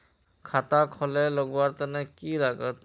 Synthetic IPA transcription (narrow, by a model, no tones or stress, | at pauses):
kʰat̪akʰɔleləɡwaɾt̪ənekilaɡət̪